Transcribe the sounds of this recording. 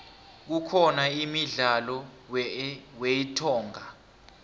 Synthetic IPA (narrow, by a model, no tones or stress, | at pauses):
k̬ukʰɔnaimiɮalɔ | weitʰɔːŋa